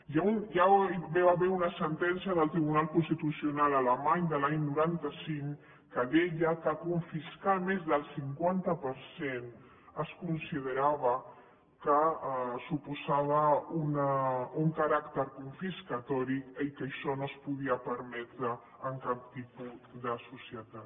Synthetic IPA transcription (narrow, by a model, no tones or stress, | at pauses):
jaunjaβeβaβeunasənt̪ɛnsjaðəlˠt̪ɾiβunalˠkunst̪it̪usiunalaləmaɲd̪əlaɲnuɾant̪əsiŋ | kəðɛʎəkakuɱfiskamezðəlˠsiŋkwant̪əpəɾsen | əskunsiðəɾaβə | kəsupuzaβəunəuŋkaɾakt̪əɾkuɱfiskat̪ɔɾikəikəʃɔnospuðiapəɾmɛt̪ɾəː | ŋkap̚t̪ipud̪əsusiət̪at̪